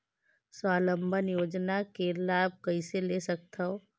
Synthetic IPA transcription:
swaːlə̃mbʱənjoːd͡ʒnakelaːb̚kɐiselesɐk̚t̪ʰaɦoː

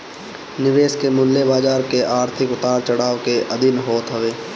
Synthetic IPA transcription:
nɪʋeːʃkemʊlːebaːd͡ʒaːɾkeʔaːɾt̪ʰɪkʊt̪aːɾt͡ʃɐɽaːʋkeʔɐd̪ɪnɦoːt̪ɦɐʋeː

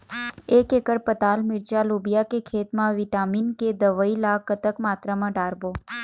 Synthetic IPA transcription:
ekekəɽpət̪almɪɾt͡ʃalubijakekʰet̪mãʋiʈaminked̪əʋəilakːət̪əkmat̪ɾamãɖaɾbo

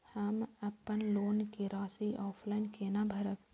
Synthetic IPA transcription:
həməpːənloːnkeɾaːsiʔɔːpʰlaːɪnkeːnabʱəɾək

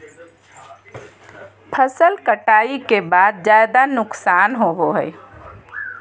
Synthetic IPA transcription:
pʰəsəlkəʈaːikebaːd̪̚d͡ʒaːjd̪anʊksaːnɦoɦoɦɛɪ

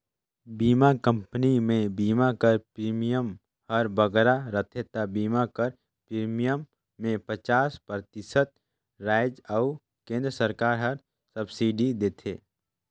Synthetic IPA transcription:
biːmakə̃mpənimẽbiːmakəɾpɾiːmijəm | həɾbəɡɾaɾət̪ʰet̪abiːmakəɾ | pɾiːmijəmː | ẽpət͡ʃaːspɾət̪ɪsət̪̚ | ɾaːɪd͡ʒəʊ | kẽːnd̪ɾəsəɾkaːɾɦəɾ | səbsiːɖid̪eːt̪ʰeː

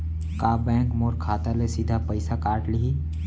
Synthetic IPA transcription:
kaːbɛ̃ːŋkmoːɾkʰaːt̪alesid̪ʱapɐɪsakaːʈliɦiː

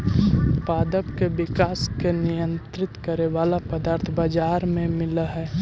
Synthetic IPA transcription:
paːd̪əpkebɪkaːskenijə̃nt̪ɾɪt̪kəɾeʋaːlapəd̪aːɾt̪ʰbad͡ʒaːɾmẽmɪləɦɛː

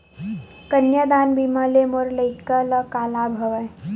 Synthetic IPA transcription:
kənjəd̪aːnbiməlemoɾləɪkələkaːlaːbʱɐʋə

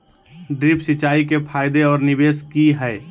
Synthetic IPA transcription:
ɖɾipsit͡ʃaikepʰaɪjd̪eɔːɾnibeskiɦɛɪ

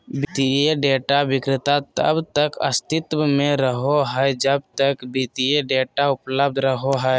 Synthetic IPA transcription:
bɪt̪ieɖeːʈaʋɪkɾɪt̪at̪ə̰bt̪əkəst̪ɪt̪wəmẽɾəɦoɦɛɛd͡ʒəb̚t̪əkbit̪ieɖeːʈaʊpləb̚d̪ʱɾəɦoɦɛɛ

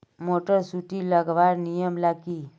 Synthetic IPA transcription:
moʈəɾsuʈiləɡʋaɾnijəmlaɡi

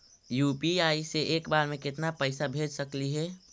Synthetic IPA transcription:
juːpiaːiseʔeːkbaːɾmẽkɪt̪napəɪsabʱeːd͡ʒsəkliɦɛ

